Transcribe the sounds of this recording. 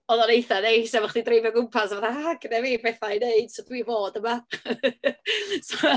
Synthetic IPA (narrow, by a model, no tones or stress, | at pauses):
ɔðɔnejθanejsɛvaχd̥idrejvjɔɡʊmpʰasavaθaaɡ̥ənɛviːbɛθajneɨd̥sod̥wiːvoːdəma | so